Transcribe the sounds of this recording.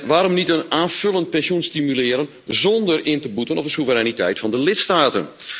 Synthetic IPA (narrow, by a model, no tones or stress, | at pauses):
ʋaːɾɔmnitənaːnv̥ɵlˠənt̚pɛnsunstimylɪəɾən | zɔndərɪntəbutənɔp̚dəsuvəɾanitɛ̰jtfɑndəlɪtstaːtən